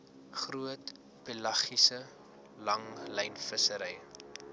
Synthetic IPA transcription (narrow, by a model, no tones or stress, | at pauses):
χruət | pelɐχisə | lɐŋlɛjnfəsəɾɛj